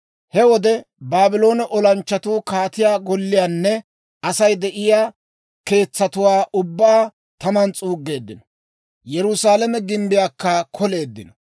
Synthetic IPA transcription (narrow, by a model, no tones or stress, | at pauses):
hɛwɔd̪ɛbaːbɪlo̞ːnɛʔɔlɐnt͡ʃːɐt̪uːkaːt̪ɪjaːɡɔlːɪjaːnːɛ | ɐsɐjd̪ɛʔɪjaː | ke̞ːt͡sːɐt̪ʊwaːʔʊbːaː | t̪ɐmɐnt͡sʼuːɡːe̞ːd̪ːɪnɔ | jɛɾʊsaːlɐmɛɡɪmbɪjaːkːɐkʰɔle̞ːd̪ːɪnɔ̥